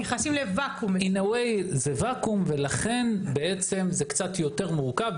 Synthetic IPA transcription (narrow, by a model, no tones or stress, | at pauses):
neχasimlevakuminawejzevakumve̞laχe̞nbe̞et͡se̞mzekt͡sat̪jo̞te̞ʁmuʁkab